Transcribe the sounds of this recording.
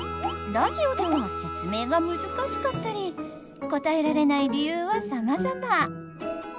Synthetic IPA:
ɾaʑio̞d̪eβase̞t͡sɨme̞ːɡamɯ̟zɨkaɕi̥kat̪ːaɾʲi | ko̞t̪ae̞ɾaɾe̞naiɾʲijɯːβasamazama

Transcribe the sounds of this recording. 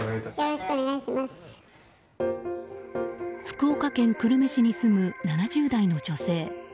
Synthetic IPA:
aɾɕoneɡaiɕimasɨ̥ | ɸɯ̥kɯ̟okakẽ̞ŋkɯ̟ɾɯ̟me̞ɕiɲ̟isɨmɯ̟nanaʑɨːd̪aino̞d͡ʑo̞se̞ː

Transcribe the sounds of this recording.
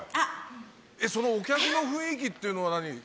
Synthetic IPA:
eso̞no̞ːkʲakɯ̟no̞ɸɯ̟̃ɰ̃ik̬ʲit̪ːe̞iɯ̟no̞βanaɲ̟i

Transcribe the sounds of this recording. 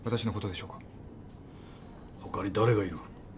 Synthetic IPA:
βat̪aɕino̞ko̞t̪o̞d̪e̞ɕo̞ːkḁ | hokaɲ̟ʲid̪aɾe̞ɡaiɾɯ

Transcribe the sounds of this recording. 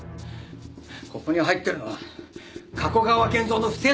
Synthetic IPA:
ko̞ko̞ɲ̟iɦait̪ːe̞ɾɯ̟noβa | kʰako̞ɡaβakẽnd͡zo̞ːnoɸɯ̟̥se

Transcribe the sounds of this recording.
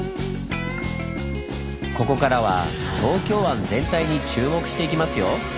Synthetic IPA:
ko̞ko̞kaɾaβa̰ | t̪o̞ːkʲo̞ːβãnd͡zẽ̞nt̪aiɲ̟it͡ɕɨːmo̞kɯ̟̥ɕi̥t̪e̞ikʲimasɨjo̞

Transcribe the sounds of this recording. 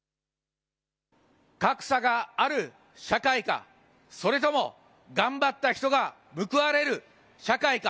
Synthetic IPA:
kakɯ̟̥saɡaːɾɯ̟ | ɕakaika̰ | so̞ɾe̞t̪o̞mo̞̰ | ɡãmbat̪ːaçʲi̥t̪o̞ɡa | mɯ̟kɯ̟βaɾe̞ɾɯ̟ | ɕakaika

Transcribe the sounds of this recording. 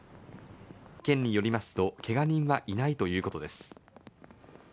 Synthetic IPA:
kẽ̞ɲ̟ːijo̞ɾʲimasɨ̥t̪o̞kʰe̞ɡaɲ̟ĩɰ̃βaʔinait̪o̞jɯ̟ːko̞t̪o̞d̪e̞sɨ̥

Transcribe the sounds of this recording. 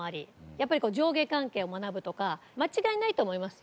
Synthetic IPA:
aɾʲijapːaɾʲiko̞ːd͡ʑo̞ːɡe̞kãŋke̞ːomanabɯ̟t̪o̞kamat͡ɕiɡainait̪o̞ːmo̞imasɨ̥

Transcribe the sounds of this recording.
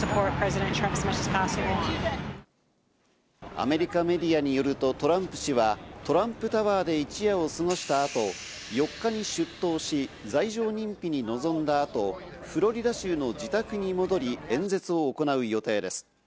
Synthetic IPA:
sɨpʰɔɹt̚pʰɹ̥ɛzɪɾɛ̃ntʰɹ̥ãmpsmɛʃɨspʰasi | a̰me̞ɾʲikame̞d̪ʲiaɲ̟ijo̞ɾɯ̟t̪o̞t̪o̞ɾãmpɯ̟̥ɕiβat̪o̞ɾãmpɯ̟t̪aβaːd̪e̞it͡ɕijao̞sɨŋo̞ɕi̥t̪aːt̪o̞ | jo̞kːaɲ̟iɕɨt̪ːo̞ːɕid͡zaiʑo̞ːɲ̟ĩmpʲiɲ̟ino̞zõ̞nd̪aːt̪o̞ | ɸɯ̟ɾo̞ɾʲid̪aɕɨːno̞d͡ʑit̪akɯ̟ɲ̟imo̞d̪o̞ɾʲiẽ̞nd͡ze̞t͡sɨo̞ːko̞naɯ̟jo̞t̪e̞ːd̪e̞sɨ̥

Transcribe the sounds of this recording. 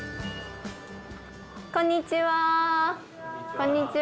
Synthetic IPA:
kõɲːit͡ɕiwa | kõɲːit͡ɕi

